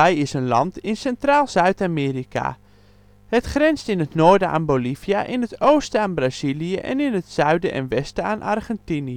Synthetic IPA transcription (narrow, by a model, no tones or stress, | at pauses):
ɛjɪsənlɑ̰ntɪnsɛntraːlˠzœɥtamɪːrikʰa̰ | hətχrɛnstɪnətnoːɹdəʔa̰ːnbolivijaʔɪnətowstəaːnbraz̥ilijəʔɛ̰nɪnətsœɥdəʔɛ̰nʋɛstəa̰ːnʔɑ̰rχɛntini